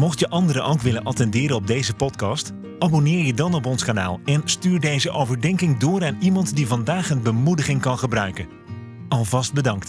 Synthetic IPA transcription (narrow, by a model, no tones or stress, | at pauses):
mɔχtjəʔɑndəɾəʔowkʋɪlənʔɑtɛndɪːɾəɔb̚dejzəpɔtkɑst | ʔaːbonɪːɹjədɑnɔp̬ɔnskaːna̰ːlˠɛnstyːɹdejzəʔowvəɹdɛŋkɪŋdʊːɾaːnimɑntdivɑndaːχənbəmudəχɪŋkɑnχəbrœɥkən | ɑlˠvɑsd̚bədɑŋkt